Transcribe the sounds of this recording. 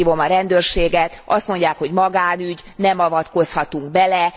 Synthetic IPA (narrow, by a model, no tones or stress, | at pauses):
iːvo̞mɒɾɛnd̪øːrʃeːɡɛt̪ɒst̪mo̞ɲɟaːkho̞ɟmɒɡaːnyɟnɛmɒvɒt̪ko̞shɒt̪uŋɡbɛlɛ